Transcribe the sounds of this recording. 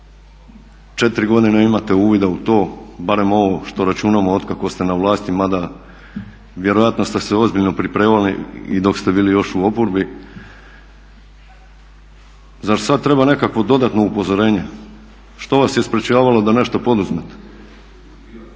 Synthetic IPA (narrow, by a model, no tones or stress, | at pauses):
t͡ʃe̞t̪iɾiɡo̞d̪ineimat̪euːʋid̪aut̪o̞ːbaɾe̞mo̞ʋo̞ʃt̪o̞ɾat͡ʃunamoot̪kako̞st̪e̞naʋlˠaːst̪imad̪a | ʋje̞ɾo̞jat̪nost̪eseo̞zbiʎno̞pɾipɾeːmalḭḭd̪o̞kst̪ebiːlijo̞ʃuo̞poɾbi | zaɾsad̪̚t̪ɾe̞bane̞kakʋo̞d̪o̞d̪at̪no̞upo̞zoɾe̞ːɲe | ʃt̪o̞ʋasjespɾet͡ɕaːʋalo̞d̪ane̞ʃt̪opo̞d̪uzmet̪e̥